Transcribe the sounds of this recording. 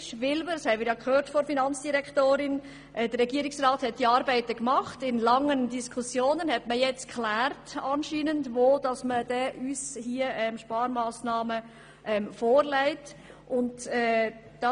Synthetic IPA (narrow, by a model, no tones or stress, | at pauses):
ʃʋɪlbədɑshɛɪmɪːɾjɑkʰøːɾtfɔɾfinɑnt͡sd̥iɾɛkʰtoːɾɪn | ʔɛd̥ərɛɡiəɾɪksrɑːthɛt̚d̥iɑːɾbæɪtəkmɑχtɪnlɑŋːəndiskʰusjoːnənhɛtməjɛt͡skʰχlæːrtɑnʃiːnəndʋoːd̥ɑsməd̥ɛʔyːshiəʔɛmʃpɑːɾmɑːsnɑːmə | ʔɛmfoːɾlæɪt | ʔʊndɛː | d̥ɑ